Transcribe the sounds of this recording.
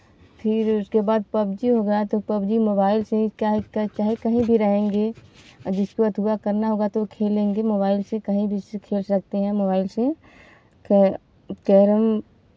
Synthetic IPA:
pʰɪɾʊskebaːd̪̚pɐbd͡ʒiɦoːɡjat̪opɐbd͡ʒimoːbaːɪlsekaɦkat͡ʃaːɦekɐɦĩbʱiɾɐɦẽːŋɡeːd͡ʒɪskoɐt̪ʰuakɐɾnaɦoːɡat̪okʰeːlẽːŋɡemoːbaːɪlsekɐɦĩbʱisekʰeːlsɐk̚t̪eɦɛ̃moːbaːɪlse | k | kɛːɾəm

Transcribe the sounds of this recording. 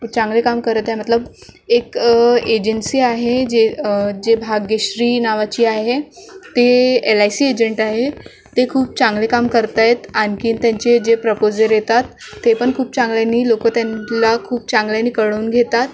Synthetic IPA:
t͡sãŋɡlekamkəɾət̪aɦmət̪ləbeked͡ʑənsiːaɦed͡ʑed͡ʑebʱaɡeɕɾiːnaʋat͡ɕiːaɦet̪eelajsiːed͡ʑəɳʈaɦe | t̪ekʰuːp̚t͡sãŋɡlekamkəɾt̪ajt̪ankiːnt̪jãɲt͡ɕed͡ʑepɾəpod͡zəɾjet̪at̪ːepəɳkʰuːp̚t͡sãŋɡljanːiːlokət̪janlakʰuːp̚t͡sãŋɡljaniːkəɽouːnɡʱet̪at̪

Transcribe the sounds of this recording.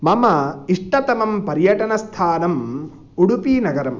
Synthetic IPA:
mɐmɐiʂʈɐt̪ɐmɐmpɐɾjɐʈɐnɐst̪ʰaːnɐm | uɽupinɐɡɐɾɐm

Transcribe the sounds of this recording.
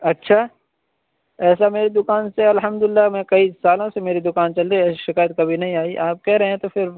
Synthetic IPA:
ɐtːʃʰaː | ɛːsameːɾed̪ʊkaːnseɐlɦɐmd̪ʊlɪlːamɛ̃kɐisaːlõsemeːɾid̪ʊkaːnt͡ʃɐld̪iɛʃɪkaːjət̪̚kɐbʱinɐɦĩaːiʔaːp̚kɛɦɾɐɦẽɛ̃t̪ofɪɾ

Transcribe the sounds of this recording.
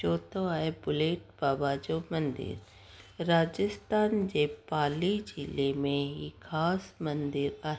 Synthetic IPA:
t͡ʃoːt̪oaːebʊleːʈ̚baːbaːd͡ʒomɐnd̪ɪ̰ɾ | ɾaːd͡ʒəst̪ʰaːnd͡ʒepaːlid͡ʒɪlemẽɦikʰaːsmɐ̃nd̪ɪɾaː

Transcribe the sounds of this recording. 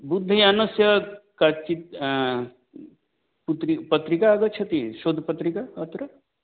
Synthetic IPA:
bud̪ʱːəjanɐsjɐkat͡ʃit̪ | put̪ɾipɐt̪ɾikaːɡɐt͡ʃʰɐt̪iʃoːd̪ʱpɐt̪ɾikaɐt̪ɾɐ

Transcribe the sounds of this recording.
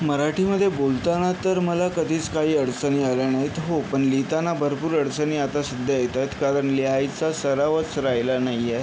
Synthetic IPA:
məɾaʈʰiːməd̪ʱːjebolt̪anat̪əɾməlakəd̪ʱiːt͡skaɦiːəɽt͡səniːaljanaɦit̪ɦopəɳlit̪anabʱəɾpuːɾəɽsəniːat̪asəd̪ʱːjəjet̪at̪kaɾəɳleɦajt͡sasəɾaʋət͡sɾajlanajːɛ

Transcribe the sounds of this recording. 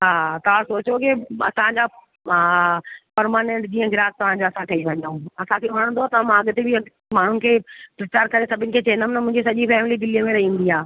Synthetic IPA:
ɦaːt̪ɐʋ̤ãsoːt͡ɕokɪɐ̰sãd͡ʑaː | pɐɾmaːnẽɳʈd͡ʑiːə̃ɡɪɾaːs̚t̪ɐʋ̤ãd͡ʑoɐsãkɐiʋɐ̃ɲũɐsãkʰeʋɐɽ̃nd̪oat̪ɐmãɐɠt̪ebɪɐ | maːɳ̤ʊnɪkʰeːpɾɐt͡ɕaːɾkɐɾesɐbʱɪnɪ̆kʰeːt͡ɕeːnd̪əmnɐmʊ̃ɦɪ̃ɲd͡ʑisɐʄifɛːmɪlid̪ɪlimẽɾɐɦiũnd̪iɦaː

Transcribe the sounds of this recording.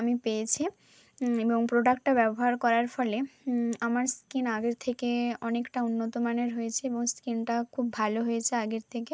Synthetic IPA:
amipejet͡ɕʰi | eboŋpɾoɖakʈʈabɛboɦaɾkɔɾaɾfɔleamaɾskinaɡeɾt̪ʰekeɔnekʈaunːot̪omaneɾɦojet͡ɕʰeeboŋskinʈakʰubːʱaloɦojet͡ɕʰeaɡeɾt̪ʰeke

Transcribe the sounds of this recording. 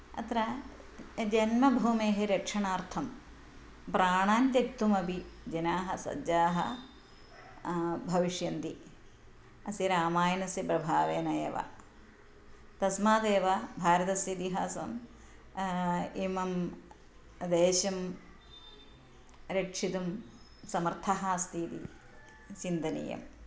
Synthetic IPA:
ɐ̰t̪ɾɐ | d͡ʒɐnmɐbʱuːmeːɦeɾɐkʂɐɳaːɾt̪ʰɐm | pɾaːɳaːnt̪jɐkt̪ːumɐbʱid͡ʒɐnaːɦɐsɐ̰aːɦɐ̰ | bʱɐʋiʂjɐnt̪i | ɐsiɾaːmaːjɐnɐsipɾɐbʱaːʋeːnɐjɐ̰ʋa̰ | t̪ɐsmaːd̪eːʋɐbʱaːɾɐt̪ɐsjit̪iɦaːsɐ̰m | imɐm | d̪eːʃɐm | ɾekʂit̪um | sɐmɐɾt̪ʰɐɦast̪ʰiːt̪ḭ | t͡ʃind̪ɐnḭjɐ̰m

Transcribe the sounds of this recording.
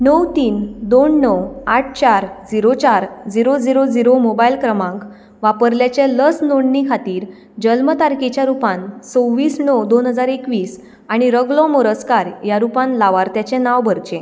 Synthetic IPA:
nəwt̪iːnd̪onːɔwaʈ̚ʰt͡ɕaɾd͡ziɾot͡ɕaɾd͡ziɾod͡ziɾod͡ziɾomobailkɾəmãŋk | ʋapəɾljat͡ɕaləsnoɳːikʰat̪iːɾ | d͡ʑəlmət̪aɾket͡ɕjaɾupãnt͡sowʋiːsɳɔwd̪onɦəd͡zaɾekʋiːs | aɽ̃iɾəɡlɔ̃moɾəskaɾjaɾupãnlaʋaɾt̪jat͡ɕenaʋbʱəɾt͡ɕẽ

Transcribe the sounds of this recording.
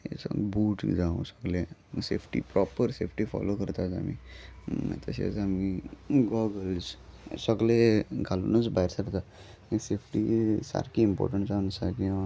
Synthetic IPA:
esbuːʈd͡ʒaũsəɡleseːpʰʈḭpɾɔpəɾseːpʰʈifʰɔ̰lokəɾt̪asa̰mḭm̰t̪ʰəsḛsamiɡɔɡəlssəɡleɡʱalonusbaiɾsəɾt̪a | kisepʰʈisa̰ɾkiimpɔ̰ːɾʈəɳʈt͡ʃansaki

